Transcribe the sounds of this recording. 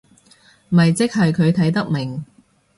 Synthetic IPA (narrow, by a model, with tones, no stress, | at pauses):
mɐ˨jt͡sɪ˥k̚hɐ˨jkʰɵ˨˧ɥt̪ʰɐ˨˥jt̪ɐ˥k̚mɪ˨˩ŋ